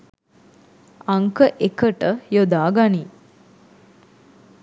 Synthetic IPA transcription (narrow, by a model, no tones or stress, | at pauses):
aŋkəʔekəʈəjod̪aːɡani